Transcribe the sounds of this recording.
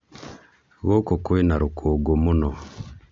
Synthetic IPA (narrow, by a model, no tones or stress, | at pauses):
ɣokokwenaɾukʰoɡomunɔ